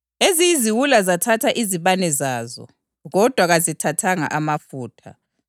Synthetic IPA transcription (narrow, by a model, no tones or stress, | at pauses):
ezijiziwulazatʰatʰaʔiziβanɛzaːzɔ̰ | ɣɔd̥ʱwaɣazitʰatʰaŋa̰ʔamafuːtʰa̰